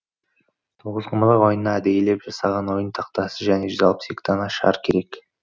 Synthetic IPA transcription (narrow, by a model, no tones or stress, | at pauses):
t̪ʰuʁəzqʰəməlˠɑqwo̞jənːɑæd̪ejele̞pʒɑsɑʁɑnwo̞jənt̪ʰɑq̚t̪ɑsəʒæne̞ʒʏzɑlˠəpsekt̪ʰɑnɑʃɑ̰ɾkʲʰe̞ɾe̞k